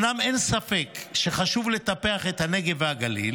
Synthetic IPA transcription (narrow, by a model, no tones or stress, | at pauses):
name̞nsafe̞kʃe̞χaʃuvle̞t̪apeaχe̞t̪hane̞ɡe̞vhaɡalḭl